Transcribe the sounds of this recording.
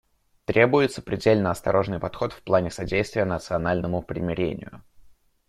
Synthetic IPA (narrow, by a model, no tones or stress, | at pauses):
t̪ɾʲe̞bʊjɪt̪sə̥pɾʲɪdʲelʲnəɐst̪ɐ̰ɾʔo̞ʐnɨjpɐt̪xo̞t̪fplˠanʲɪsɐdʲejst̪vʲɪjənət̪sɨɐnalʲnəmʊpɾʲɪmʲɪɾʲḛnʲɪ̰jʊ̰